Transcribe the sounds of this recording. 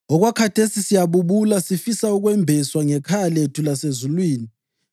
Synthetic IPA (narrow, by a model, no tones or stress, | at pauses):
ɔɣwakʰatʰesisijaβuβulasifisauɣwɛmbʱɛswaŋɛkʰajaletʰulasezulwiːni